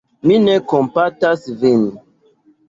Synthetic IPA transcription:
minekompatasvin

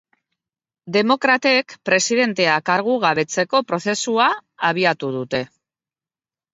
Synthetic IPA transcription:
d̪e̞mo̞kɾat̪e̞kpɾe̞siðe̞nt̪e̞akaɾɣ̞uɣ̞aβe̞t͡se̞ko̞pɾo̞θe̞suaːβ̞iat̪uð̞ut̪e̞

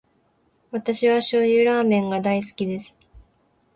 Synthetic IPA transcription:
βat̪aɕiβaɕojɯɾaːmẽ̞ŋɡad̪aisɨ̥kʲid̪e̞sɨ̥

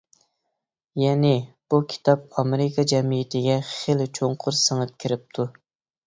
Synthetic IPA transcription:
jɛnɪb̥ukʲʰi̥t̪ʰɑp̚ɑmɪɾɪkʰɑd͡ʒɛmijɪt̪ʰɪɡʲɛχelɪt͡ʃʰoɴqʰʊɾsəŋəp̚kʲʰɪɾɪp̚t̪ʰu

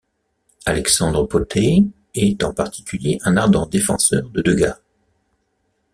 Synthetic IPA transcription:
alɛksɑ̃d̪ʁəpot̪ʰe | ɛt̪ɑ̃paʁt̪ʰi̥kʲyljeʔɛ̃naʁd̪ɑ̃d̪efɑ̰̃sœʁd̪əd̪øɡa

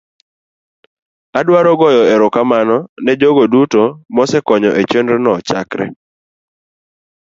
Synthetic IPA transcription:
adwaɾɔɡɔjɔɛɾʊkamanɔnɛd͡ʒoɡodutomɔsɛkɔɲɔʔet͡ʃendɾnɔt͡ʃakɾɛ̰

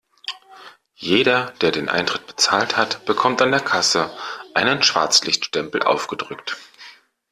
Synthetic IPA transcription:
jeːɾɐd̥eːɐdeːnʔa̰ɪntʁ̥ɪt̚b̥ə̥t͡saːlthatb̥əkʰɔmtandeːɐkʰasəʔaɪnənʃv̥a̰ɐt͡slɪçtʃtɛmpl̩ʔa̰ʊfɡ̥ədʁʏkt

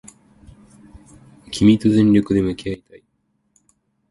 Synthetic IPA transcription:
kʲʰimʲit̪ozẽ̞nɾʲo̞kɯ̟d̪e̞mɯ̟keait̪ai

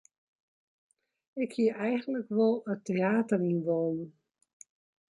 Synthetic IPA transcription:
ɪkhiəɛjχənləkʋɔlˠətːeaːtərinʋoːnə

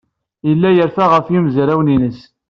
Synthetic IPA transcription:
əlːæjəɾfæʁəfjimzɾæwninəs

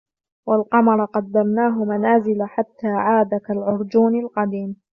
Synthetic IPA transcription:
walqɑmɑɾˤɑqɑd̪ːamnaːɦʊmanaːzɪlaħat̪ːaːʕaːd̪akalʕʊɾˤd͡ʒuːnalqɑd̪iːm

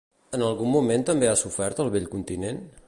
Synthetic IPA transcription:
ənəlˠɣumːument̪əmbeasufɛɾt̪əlˠβeʎkunt̪inen

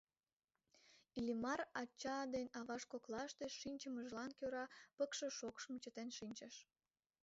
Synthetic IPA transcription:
ilʲimɑrɑt͡ɕːɑd̪enʲɑβɑʃkoklɑəʃt̪eʃinʲt͡ɕəməʒlɑnkøɾɑpəkʃə̆ʃokʃmət͡ɕət̪enʃinʲt͡ɕəʃ

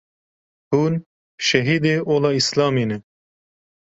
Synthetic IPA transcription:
huːn | ʃɛɦiːd̪eːʔoːlɑːislɑːmiːnɛ

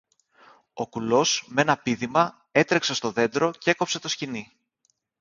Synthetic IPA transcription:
o̞kulo̞sme̞nɐpiðimɐ | e̞t̪ɾe̞kse̞st̪o̞ðe̞nd̪ɾo̞ceeko̞pse̞t̪o̞scini

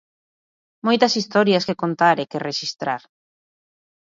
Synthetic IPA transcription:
mojt̪ɐsist̪ɔɾjaskekont̪aɾekereʃist̪ɾa̰ɾ

